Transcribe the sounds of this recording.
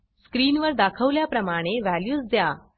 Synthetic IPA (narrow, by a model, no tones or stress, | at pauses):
skɾiːnʋəɾd̪akʰəʋljapɾəmaɽ̃eʋæljuːsd̪ja